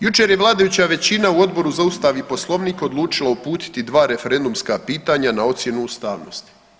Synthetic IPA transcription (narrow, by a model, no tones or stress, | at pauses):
jut͡ʃeɾjeʋlˠaːd̪ajut͡ɕaʋe̞t͡ɕinauo̞d̪bo̞ɾuzaust̪aʋipo̞slˠo̞ʋniːko̞d̪lˠuːt͡ʃilˠaupuːt̪i̥t̪id̪ʋaːɾe̞fe̞ɾe̞nd̪umskapiːt̪aɲanao̞t̪sje̞nuust̪aːʋno̰st̪i̥